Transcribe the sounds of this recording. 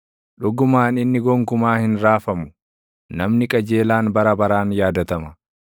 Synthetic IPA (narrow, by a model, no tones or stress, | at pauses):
ᶑʊɡʊmaːnɪnːɪɡɔŋkʊmaːhɪnɾaːfɐmʊ̥ | nɐmnɪkʼɐd͡ʒe̞ːlaːnbɐɾɐbɐɾaːnjaːd̪ɐt̪ɐmɐ